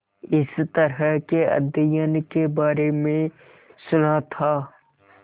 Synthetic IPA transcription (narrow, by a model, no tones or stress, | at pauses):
ɪst̪əɾɦəɦkeə̰d̪ijənkebaːɾemẽ | sʊnat̪ʰaː